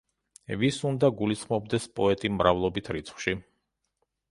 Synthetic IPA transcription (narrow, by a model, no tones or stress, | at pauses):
visund̪aɡulisχmɔb̚d̪ɛspʼɔɛt̪ʼimɾavlˠɔbit̪ʰɾit̪sʰχwʃi